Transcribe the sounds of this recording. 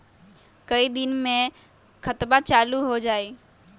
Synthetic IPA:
kəid̪ɪnmẽ | xkʰət̪bat͡ʃaːluɦod͡ʒaːeː

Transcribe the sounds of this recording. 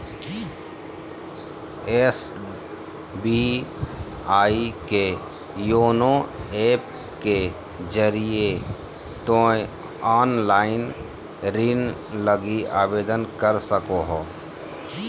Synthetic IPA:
es | bi | aːike | joːnoeːp̚ | ke | d͡ʒəɾije | t̪oːe | aːnlaːɪn | ɾin | ləɡiaːbeːd̪ənkəɾsəkoɦoː

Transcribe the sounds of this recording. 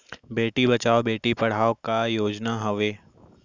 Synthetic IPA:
beːʈibɐt͡ʃaːobeːʈipɐɽ̤aːokajoːd͡ʒnaɦɐʋeː

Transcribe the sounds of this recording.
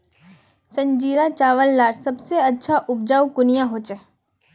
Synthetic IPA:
sə̃ɲd͡ʒiːɾat͡ʃaːʋəlːaːɾsɐbseɐtːʃʰaʔʊbd͡ʒaːukʊnijãɦot͡ʃɛ

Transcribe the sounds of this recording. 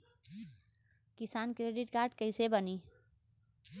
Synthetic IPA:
kisankɾeɖiʈkaɾɖkəɪsebəni

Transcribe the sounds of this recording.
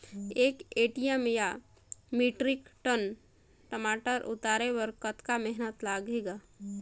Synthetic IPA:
eːkeːʈijemja | miʈɾikʈən | ʈəmaːʈəɾʔṵt̪aɾewəɾkət̪kamɛɦnət̪laɡeɡa

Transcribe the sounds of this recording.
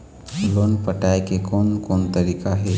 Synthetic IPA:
loːnpəʈaekekonkoːnt̪əɾikaɦe

